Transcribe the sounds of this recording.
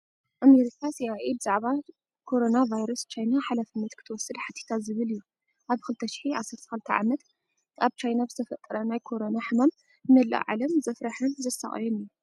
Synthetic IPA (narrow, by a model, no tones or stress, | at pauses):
ʔameɾikʰasiaʔebɨzaʕβa | kʰo̞ɾo̞navajɾɐst͡ʃʰajnaħalafɨnːɐt̪kʰɨt̪ʰɐwɔsːɨd̪ħat̪ʰi̥t̪ʰazɨβɨlɨjːu | ʔaβkɨlɨt̪ʰɐʃɪ̥ħiʔasːɐɾt̪ʰɐxɨlɨt̪ʰɐ̰ʕa̰mɐt̪ | aβt͡ʃʰajnabzɨ̥t̪ʰɐfɐt̪ʼːɐɾɐnajkʰo̞ɾonaħɨmam | nɐlːɐ̰ʔʕa̰lɐmzɐfɾaħɨnzɐsa̰χʼjoniju